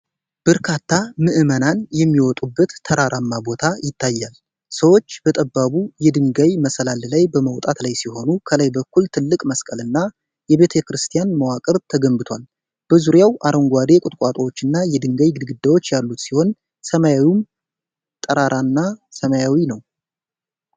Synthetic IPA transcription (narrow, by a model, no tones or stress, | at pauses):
b̥əɾkʰat̪ːamɨʔɨmənanjɛmːiwɔt̪ʼubːət̪ʰːəɾaɾamːabo̞t̪ʰajɪt̪ʰːajːal | səwo̞t͡ʃːb̥ət̪ʼəbːaβujɛd̪ɨŋɡajməsəlallajbəməwt̪ʼat̪lajsiho̞nukʰələjbəkːult̪ʰɨlːɨkʼməskʼəlɨnːa | jɛbe̞t̪ʰəkɾɨst̪ʰijanməwakʼəɾt̪ʰəɡəmbɨt̪ʰwal | b̥əzuɾjawʔaɾəŋɡʷad̪e̞kʼʊt̪ʼkʼwat̪ʼowot͡ʃːɨnːajɛd̪ɨŋɡajɡɨd̪ɡɨd̪ːawo̞t͡ʃːjalːut̪siho̞n | səmajawum | t̪ʼːəɾaɾanːasəmajawinəw